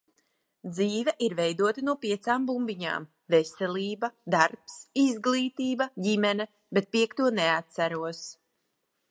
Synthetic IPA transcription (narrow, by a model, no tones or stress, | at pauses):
d̪ziːvɛʔiɾvɛjd̪uɔt̪anuɔpiɛt̪saːmbumbiɲa̰ːm | vesɛlʲiːbad̪aɾpsizɡlˠiːt̪iːbaɟimɛnɛ | bet̪̚piɛkt̪uɔneat̪sæɾuɔs